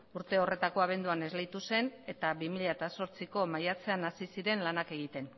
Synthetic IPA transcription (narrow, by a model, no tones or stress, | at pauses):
uɾt̪e̞o̞re̞t̪ako̞aβ̞e̞nd̪uane̞zlejt̪use̞ne̞t̪aβimiʎat̪aso̞ɾt͡siko̞majat͡se̞anasisiɾe̞nlanake̞ɣ̞it̪e̞n